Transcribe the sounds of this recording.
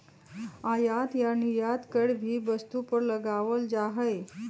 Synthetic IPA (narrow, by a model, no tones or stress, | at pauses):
ãjat̪janijat̪kəɽbʱiːbəst̪upəɾləɡaʋəld͡zaɦəj